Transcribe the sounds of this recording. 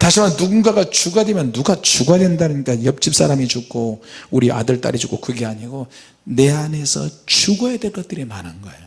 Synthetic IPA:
taɕʰimannuɡunɡaɡat͡ɕuɡademjʌnːuɡat͡ɕuɡadwendanɯɲik͈ajʌp̚t͡ɕ͈ip̚s͈aɾamit͡ɕukʰouɾiʔa̰dɯɭt͈a̰ɾid͡ʑuk͈ʰokɯɡe̞aɲiɡo | ne̞ane̞sʰʌ̰t͡ɕuɡʌjedeɭk͈ʌt̚t͈ɯɾimanɦanɡʌḛjo

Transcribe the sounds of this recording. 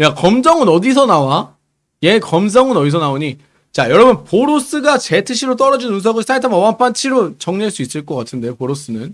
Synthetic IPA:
jakʌmd͡ʑʌŋɯnʌdisʰʌnawa | jekʌmd͡ʑʌŋɯnʌdis̬ʰʌnaoɲi | t͡ɕajʌɾʌbɯnpoɾos͈ɯɡat͡ɕe̞tʰɯɕʰiɾot̬͈ʌɾʌd͡ʑinuns̬ʰʌɡɯɭs͈ʰaitʰamʌwamp͈ʰant͡ɕʰiɾot͡ɕʌŋɲiɦaɭs͈uis͈ɯɭk͈ʌk͈atʰɯnde̞opoɾos͈ɯnɯn

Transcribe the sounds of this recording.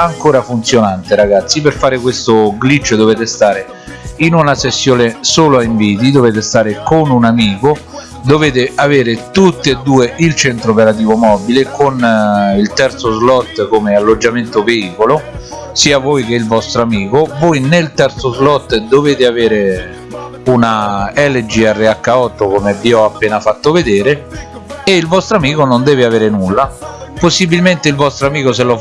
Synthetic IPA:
aŋkoːɾafunt̪sjonant̪eɾaɡat̪sːiperfaːɾɪkwest̪ʊɡlit͡ʃːd̪oveːt̪est̪aːɾe | inunasesːjoːnesoːloaiɱviːt̪̬id̪oveːt̪est̪aːɾekonunamiːko | d̪oveːt̪eaveːɾɪt̪ut̪ːeed̪ːuːeʔilt͡ʃɛnt̪ɾopeɾat̪̬iːvomɔbilekonilt̪ɛrt̪sozlɔt̪ːkomealːod͡ʒːament̪oveiːkolo | siːavojk̟eilvɔst̪ɾoamiːkovojnelt̪ɛɾt̪sozlɔt̪ːd̪oveːt̪ɪaveːɾe | unaɛled͡ʒiɛrːeakːaɔt̪ːokomevːiɔapːeːnafat̪ːoved̪eːɾe | eilvɔst̪ɾoamiːkonond̪ɛːvɪaveːɾenulːaposːibilment̪eilvɔst̪ɾoamiːkoselo

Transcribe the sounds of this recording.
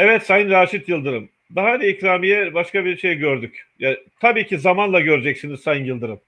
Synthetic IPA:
evɛt̪sajɯnɾaːʃit̪jɯlˠd̪ɯɾɯm | d̪aɦad̪iicɾaːmijɛbaʃkabiɾʃe̞jɟøɾd̪ycjat̪ʰabiːcʰizamanlˠaɟø̞ɾd͡ʒɛcsiniz̥sajɯnjɯlˠd̪ɯɾɯm

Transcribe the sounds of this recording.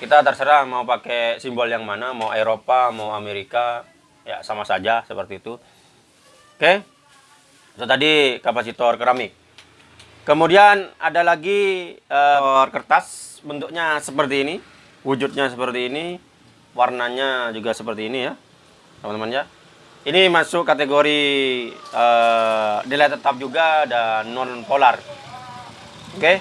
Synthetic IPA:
kit̪at̪ərsəɾahmaupakesimbɔljaŋmanamauʔeɾopamauameɾika | ja̰samasad͡ʒasəpərt̪iːt̪u | ke | t̪ot̪adikapasit̪ɔrkəɾamɪk̚ | kːəmudiana̰dalaɡiərkərt̪asbənt̪ʊk̚ɲasəpərt̪iːni | wud͡ʒʊt̪̚ɲas̬əpərt̪iːni | warnaɲad͡ʒuɡasəpərt̪iːnija | t̪əmant̪əmanɲa | inimasʊkat̪eɡoɾi | ə | nilajt̪ət̪ap̚d͡ʒuɡaːdanːɔnpolar | oke

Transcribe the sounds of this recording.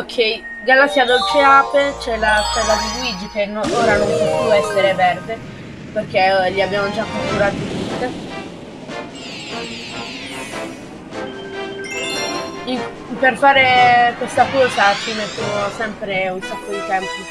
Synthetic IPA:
okʰːɛi | ɡalasiad̪olt͡ʃeapet͡ʃɛlːasɛzad̪iɡwid͡ʒːikenooːɾanompop̪juɛsːeɾevɛrd̪e | perk̟eʎːiabːjaːmod͡ʒakːot̪uɾaːt̪oit̪ut̪ːe | i | perfaːɾekwest̪apɔːsat͡ʃimesːunosɛmpɾeunsakːod̪it̪ɛmpi

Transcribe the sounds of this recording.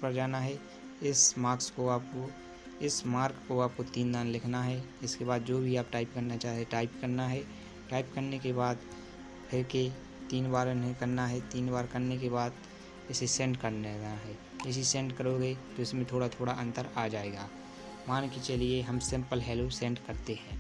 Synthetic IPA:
pəɾd͡ʒaːnaɦɛ | ɪsmaːɾkskoaːpko | ɪsmaːɾkkoaːp̚kot̪iːnd̪aːnlɪkʰnaɦɛɪskebaːd̪̚d͡ʒoːbʱiaːp̚ʈaːɪpkɐɾnat͡ʃaːɦt̪eʈaːɪpkəɾnaɦɛ | ʈaːɪpkəɾnekebaːd̪ | pʰɪɾke | t̪iːnbaːɾɪnɦẽkɐɾnaɦɛt̪iːnbaːɾkɐɾnekeβaːd̪̚ | ɪsesɛ̃ɳɖkəɾneaɦɛː | ɪs̬isɛ̃ːɳɖkəɾoːɡet̪oɪsmẽt̪ʰoːɽat̪ʰoːɽaʔɐ̃nt̪əɾaːd͡ʒaːeːɡaː | maːnket͡ʃəlieɦɐmsɪ̃mpəlɦɛːlosɛ̃ːɳʈkɐɾt̪eɦɛ̃ː

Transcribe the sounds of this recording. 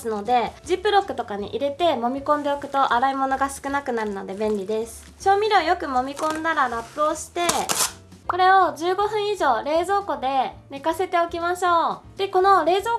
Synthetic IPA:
sɨno̞d̪e̞d͡ʑipɯ̟ɾo̞kɯ̟t̪o̞kaɲ̟ḭʔiɾe̞t̪e̞mo̞mʲikõnd̪e̞okɯ̟̥t̪o̞ʔaɾaimo̞no̞ɡasɨ̥kɯ̟nakɯ̟naɾɯ̟no̞d̪e̞bẽ̞nʲɾʲid̪e̞sɨ̥t͡ɕo̞ːmʲiɾʲo̞ːjo̞kɯ̟mo̞mʲikõ̞nd̪aɾaɾapːɯ̟o̞ɕi̥t̪e̞ | ko̞ɾe̞o̞d͡ʑɨːɡo̞ɸɯ̟̃ɰ̃iʑo̞ːɾe̞ːzo̞ːko̞d̪e̞nekase̞t̪e̞o̞kʲimaɕo̞ːd̪̥e̞ko̞no̞ɾe̞ːzoː

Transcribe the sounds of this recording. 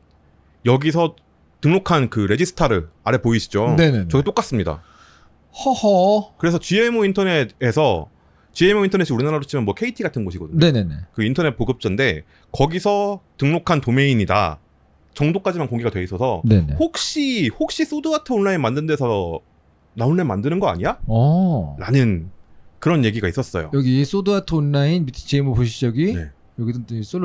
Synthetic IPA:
jʌɡisʰʌ | tɯŋnokʰankɯɾe̞d͡ʑisʰɯ̥tʰaɾɯɭaɾepoiɕʰi̥d͡ʑonenet͡ɕʌket͈ok͈as͈ɯmɲida̰ | hʌhʌkɯɾe̞sʰʌt͡ɕiemointʰʌne̞desʰʌ | t͡ɕie̞mointʰʌne̞ɕ͈ʰiuɾinaɾadot͡ɕʰimanmwʌkʰe̞itʰiɡatʰɯnɡʌɕʰiɡʌdɯɲne̞ne̞nekɯintʰʌne̞t̚poɡɯp̚t͡ɕ͈ʌnde̞ | kʌɡisʰʌtɯŋnokʰantome̞iɲida̰ | t͡ɕʌŋdok͈ad͡ʑimankoŋɡeɡatwe̞is͈ʌsʰʌne̞nḛhok̚ɕ͈ihok̚ɕ͈is͈oduatʰoonːainmandɯnde̞sʰʌ | naunːemandɯnɯnɡʌa̰ɲijaʌɾanɯnkɯɾʌnje̞ɡiɡais͈ʌs͈ʌjo̰jʌɡis͈oduatʰoonːainbitʰt͡ɕiemupoɕʰid͡ʑʌɡine̞̰ | jʌɡidɯs͈o

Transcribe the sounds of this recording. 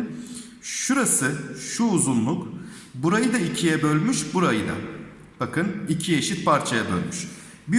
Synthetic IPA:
ʃuɾasɯʃuːzunlˠuk | buɾajɯd̪aicʰijɛbø̞lʲmyʃbuɾajɯd̪a̰ | b̥akɯnicʰijeʃit̪̚pʰaɾt͡ʃʰajabø̰lʲmyʃ | bi

